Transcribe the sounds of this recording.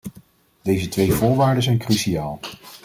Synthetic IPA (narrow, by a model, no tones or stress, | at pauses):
d̥ejzətʋejvʊːɹʋaːɹdənzɛjnkryʃiaːlˠ